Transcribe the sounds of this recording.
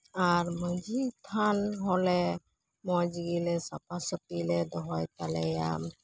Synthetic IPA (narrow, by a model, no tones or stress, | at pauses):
aɾməd͡ʒit̪ʰanɦolɛ | mɔjd͡ʒiɡilɛsapasəpilɛd̪ɔɦɔjt̪alɛja̰m